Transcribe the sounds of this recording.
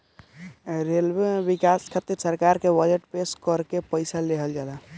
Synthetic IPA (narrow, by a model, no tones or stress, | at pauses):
ɾelbebikaskʰət̪ːiɾsəɾkaɾkebəd͡ʒeʈpeskəɾkepəɪsaleɦəld͡ʒaːla